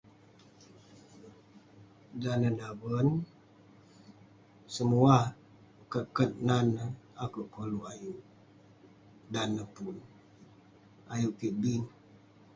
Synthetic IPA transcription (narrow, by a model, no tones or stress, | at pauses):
danədabən | səmua | kəʔkət̪̚nanəakəʔkoluajuʔ | danəpun | ajuʔkiʔbin